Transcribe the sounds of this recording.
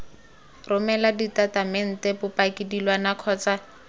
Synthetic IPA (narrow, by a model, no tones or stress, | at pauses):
rʊmɛladitatamɛn̩tepʊpakɪdilwanakʰɔːt͡sa